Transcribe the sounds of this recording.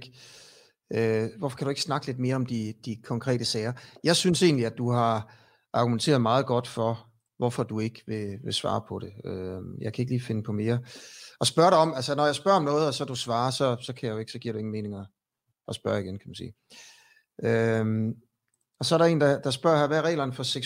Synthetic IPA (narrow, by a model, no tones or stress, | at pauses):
ɡ̥ | øʋɒfɒ̥kʰæɾ̥ue̝ɡ̥snɑ̈ɡ̥əle̝d̥̚me̝ːɐɒ̽md̥id̥ikʰɒ̽ŋkʰʁɛ̰ːd̥əsɛːɪɐjɑ̈ɪsynse̝̰ːnliæd̥uhɑ̈ | ʔɑ̈ɡ̥ument͡sʰe̝ːɐð̩ˠmɑ̈ːð̞̩ˠɡ̥ɒ̽d̥fɒ̽ | ʋɒfɒ̽d̥ue̝ɡ̥ʋe̝ʋe̝sʋɑ̰̈ːpʰɒ̽ɾe̝øjɑ̈ɪkʰæe̝ɡ̥liːfe̝nəpʰɒ̽me̝ːɐɒ̽sb̥ɶɐɾɑɒ̽mælsənɒjɑ̈ɪsb̥ɶɐ̰ɒ̽mnɔ̽ːð̞̩ˠɒsɒ̽d̥usʋɑ̈ːsɒ̽sɒ̽kʰæjajo̝e̝ɡ̥sɒ̽ɡ̥ḭɐ̰ɾue̝ŋn̩me̝ːne̝ŋɒ | ɒ̽sb̥ɶɐiɡ̥enkʰæmænsḭː | ʔøm | ɒ̽sɒɐɾɑe̝̰ːndɑd̥ɑ̈sb̥ɶɐ̰hæɐʋæʁɛ̰ːlɐnəfɒ̽seɡ